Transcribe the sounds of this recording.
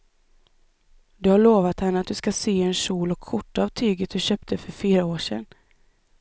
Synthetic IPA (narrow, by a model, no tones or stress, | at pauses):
d̪ɵhaɭoːvat̪hanːəat̪̚d̪ɵskaseːɛnʂuːlɔkʰːʊʈːaavt̪ʰyːɡət̪̚d̪ɵɕøːp̚t̪ʰəfœɾfliːɾaoːʂɛ̰nː